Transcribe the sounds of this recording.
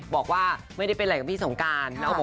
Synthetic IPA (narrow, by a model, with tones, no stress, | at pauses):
bɔː˨˩k̚waː˥˩ma˥˩jɾa˥˩jpe˧nla˧˩kːmʰ˦i˥˩so˩˦ŋkaː˧nlɛː˦˥wbʰo˨˦